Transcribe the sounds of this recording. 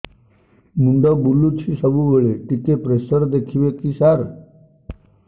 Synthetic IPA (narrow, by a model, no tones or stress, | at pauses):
muɳɖəbulːut͡ɕʰisəbuʋeɭeʈik̪epɾesəɾd̪ekʰiʋekisaɾ